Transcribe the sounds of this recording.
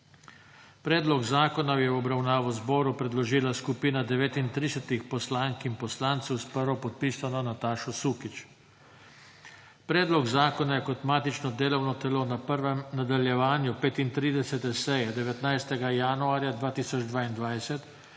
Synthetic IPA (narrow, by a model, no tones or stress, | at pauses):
pɾɛːd̪lɔɡzaːkɔnajɛwɔbɾawnaːʋɔzbɔːɾupɾɛd̪lɔʒiːlaskupiːnad̪ɛʋeːt̪int̪ɾiːsɛt̪ixpɔslaŋkinpɔslaːnt̪sɛwspəɾʋɔpɔt̪̚piːsanɔnat̪aːʃɔsukit͡ʃ | pɾɛːd̪lɔɡzaːkɔnajɛkɔt̪maːt̪it͡ʃnɔd̪eːlɔwnɔt̪ɛlonapəɾʋɛmnad̪aljɛʋaːnjupeːt̪int̪ɾiːd̪ɛsɛt̪ɛsɛjɛd̪ɛʋɛt̪najst̪ɛɡajaːnuaːɾjad̪ʋaːt̪iːsɔd͡ʒd̪ʋaːind̪ʋajsɛt̪